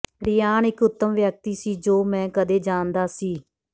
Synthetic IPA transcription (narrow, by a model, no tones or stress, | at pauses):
ɾɪjaːnɪkʊt̪ːəmʋjək̚t̪iːsiːd͡ʒoːmɛ̃ːkəd̪eːd͡ʒaːnd̪aːsiː